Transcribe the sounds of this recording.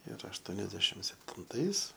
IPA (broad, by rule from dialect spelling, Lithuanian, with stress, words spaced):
ɪr ɐʃˈtoːnʲɛzʲdʲɛʃʲɪm sʲɛpʲtʲɪnˈtɐɪs